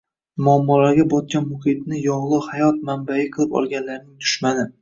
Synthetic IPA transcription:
mʊamːɒlaɾɡʲabɒt̪̚kʲanmʊhɪt̪̚nɪjɒʁlˠɨhajɒt̪̚manbaɪqʰɨlˠɪpɒ̰lˠɡʲanlaɾnɪŋt̪ʰʊ̥ʃmanɪ

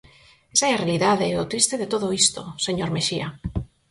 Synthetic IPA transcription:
esaɛarealiðaðeot̪ɾist̪eðet̪oðoist̪oseɲoɾmeʃia

